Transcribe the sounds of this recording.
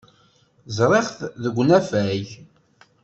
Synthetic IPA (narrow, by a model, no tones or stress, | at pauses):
zɾˤeχθðəɡʷːnæfæʝ